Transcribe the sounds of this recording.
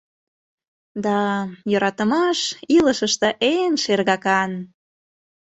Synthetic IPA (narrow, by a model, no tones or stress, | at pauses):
d̪ɑjøɾɑt̪əmɑʃiləʃəʃt̪ə̆ʔenʃerɣɑkɑn